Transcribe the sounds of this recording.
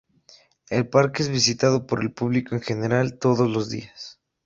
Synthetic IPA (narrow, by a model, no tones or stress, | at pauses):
e̞lpaɾkeezβisit̪að̞o̞po̞ɾe̞lpuβlikoeŋxe̞ne̞ɾalt̪o̞ðozlo̞zðḭas